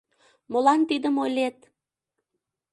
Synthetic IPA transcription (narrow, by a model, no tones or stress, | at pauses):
molɑnt̪id̪əmolʲet̪